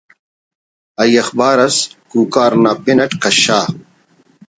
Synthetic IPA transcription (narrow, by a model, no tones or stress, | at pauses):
ɐjɐxbaːɾɐskuːkaːɾnaːpinɐʈkɐɕaː